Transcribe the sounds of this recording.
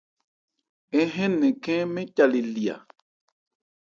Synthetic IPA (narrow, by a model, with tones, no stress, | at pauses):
ɛ˦ɦɛ̃˦nẽ˨kɛ̃˦mẽ˦ca˨li˨li˨a̰˨